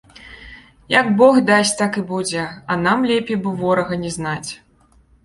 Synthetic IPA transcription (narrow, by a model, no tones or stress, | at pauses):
jaɡbɔxd̪asʲt̪akɨbud͡zʲɛɐnamlʲɛpʲejbɨvɔɾɐɣɐnʲɛznat͡sʲ